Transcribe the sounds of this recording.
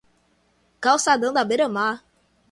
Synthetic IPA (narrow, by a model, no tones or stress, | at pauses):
kawsad̪ɐ̃w̃d̪abeɾəma